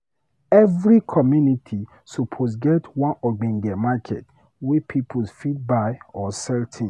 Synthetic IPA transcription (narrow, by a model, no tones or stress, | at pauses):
ɛvɹikʰɔmjunitʰi | supʰosɡɛtwɔ̃nɔɡ͡bɛ̃nɡɛmakʰɛ̰t | wepʰipʰulfit̚baɪɔsɛltʰĩ